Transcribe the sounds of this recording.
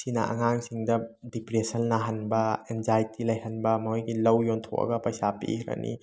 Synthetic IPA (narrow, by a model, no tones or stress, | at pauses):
sinɐ̰ʔɐ̰ŋaŋsiŋdɐdipɾesɐnːɐɦɐnbɐenzajtilɐjhɐnbɐmɐojɡilɐwjontʰo̰ʔɐ̰ɡɐpɐjsapḭhɾɐ̰nʔḭ